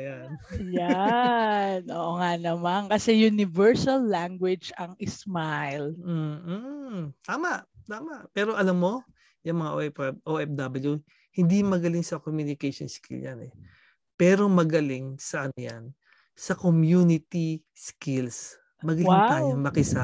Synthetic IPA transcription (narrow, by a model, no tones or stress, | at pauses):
janja | nʔoːʔoŋanɐmankɐsɛjʊnɪvɛɹsɐlːaŋɡwɛd͡ʒɐŋɪsmajl̩ː | t̪aːmaʔt̪aːmɐʔpɛːɾo̞ʔɐlɐmːo̞ | jɐŋmɐŋaʔoʔɛʔoʔɛfd̪ɐbɐlju | hɪnd̪imɐɡɐlɪŋsɐkomjunɪkɐjʃonskɪ̰ljanɛ | pɛːɾo̞mɐɡɐlɪŋsɐʔɐnoja̰n | sɐkomjunɪt̪i | skɪls | mɐɡɐlɪŋaːɲɐŋmɐkɪsa